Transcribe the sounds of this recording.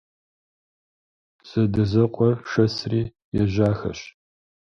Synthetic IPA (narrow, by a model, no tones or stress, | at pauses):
z̥ɐdɐzɐqʷʼɔrʂɐsriː | jɛʑaːxɐ̰ɕ